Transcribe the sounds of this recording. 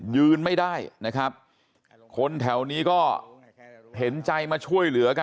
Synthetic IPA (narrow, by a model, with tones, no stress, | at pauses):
jɯː˧nma˥˩jdaː˥˩jna˦˥kʰɾa˦˥p̚ | kʰo˧nt̪ʰɛ˩˦wniː˦˥kɔː˥˩ | ɦe˩˦nt͡ɕa˧jmaː˧t͡ɕʰu˥˩əjlɯ˩˦ɐka˧